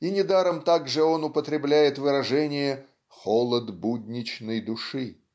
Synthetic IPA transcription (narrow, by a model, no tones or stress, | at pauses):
inʲɪd̪aɾəmt̪aɡʐɨo̞nʊpət̪ɾʲɪblʲæjɪt̪vɨɾɐʐɛnʲɪjə | xolˠəd̪bud̪ʲnʲɪt͡ɕnəjd̪ʊʂɨ